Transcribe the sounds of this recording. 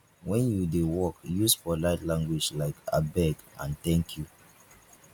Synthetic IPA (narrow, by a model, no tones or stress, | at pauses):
wɛ̃njudewɔkjusfɔlaɪtlãŋɡwid͡ʒlaɪka̰bɛɡã̰nt̪ɛ̃ŋkʰju